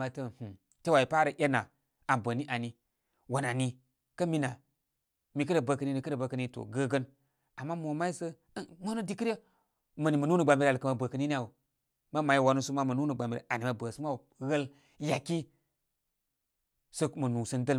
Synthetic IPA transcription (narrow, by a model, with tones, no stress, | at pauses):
a˨tə˦˨h̩˨ | te˦wa˨i˨pa˦ɾə˨ʔe˦na˨ | a˨mbə˨ni˦ʔa˨ni˨ | wa˨na˨ni˦ | kə˦mi˦na˨ | mi˨k̬ə˦ɾe˨bə˨kə˨ni˦ni˦kə˦ɾə˨bə˨kə˨ni˦to̰˨ɡə˦ɡə˦n | a˨mːa˦mo˨ma˦i˦sə˦ | mo˦no˦di˦ki˦ɾe˦ | mə˨ni˨mə˨nu˦nu˨ɡ͡ba˨mbi˨ɾa˨lkə˨ma˨bə˨kə˨ni˦ni˦a˨wo˨ | ma˦ma˨ji˦˨wa˨˦nu˦su˦ma˦mə˨nu˦nə˨ɡ͡ba˨mi˨ɾḛ˨a˨ni˨ma˨bə˨su˦ma˦wu˨ | ɣə˦l | ja˨ki˦ | sə˦mə˨nu˨sə˦ndə˦l